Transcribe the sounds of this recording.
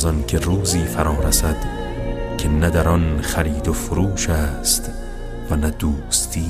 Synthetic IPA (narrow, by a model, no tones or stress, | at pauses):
zɒnkʲʰe̞ruːziːfæɾɒːɾæsæd̪̥ | kʲʰe̞næd̪æɾɒnχæɾiːd̪ofoɾuːʃæːst̪ | vænæd̪uːst̪ʰiː